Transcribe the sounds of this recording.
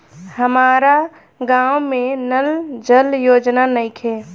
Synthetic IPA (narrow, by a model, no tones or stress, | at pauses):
həmaːɾa | ɡaːwmẽnəld͡ʒəljoːd͡ʒnanəɪkʰeː